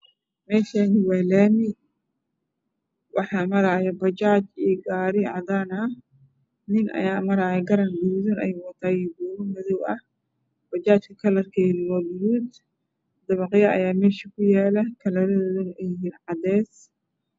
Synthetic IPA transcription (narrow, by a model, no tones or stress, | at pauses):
mɛːʃaːnɪwɛlɛːmɪ | wʔɑħɑːmɐɾaːjɛbɐt͡ʃaːt͡ʃiːɡaːɾɪʕɑd̪aːnɐ | nɪnɐ̰jaːmɐɾaːjɛɡɐɾɐnbʊjuːðɐnɛ̰jwɐt̪ʰaːjiɡuːɾʊmɐðɔwɐh | b̥ɐt͡ʃaːt͡ʃkʰɐkʰɐlɐrkʰɛðɪwɔbɪjuːd̪ | d̪ɐβɑqjɐʔɐ̰jaːmɛːʃɐkʰʊjɛːlɐkʰɐlɐɾɐðɔːðɐnʔɛjɪɦiːnʕɑd̪ɛːs